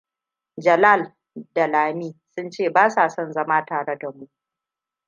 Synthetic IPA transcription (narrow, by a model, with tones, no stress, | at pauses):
d͡ʒɐ˨laː˦˨l | dɐ˨laː˨miː˦sʊ˦nt͡ʃeː˦˨baː˦sa˨sɔ˦nzɐ˦maː˦taː˨ɽe˦da˨mu˦ʔ